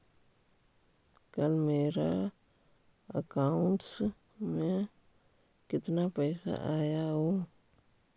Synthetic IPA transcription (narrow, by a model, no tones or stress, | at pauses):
kəlmeːɾa | ə̰kaːʊɳʈs | mẽ | kɪt̪napɛːsa̰ʔaːjaɦoː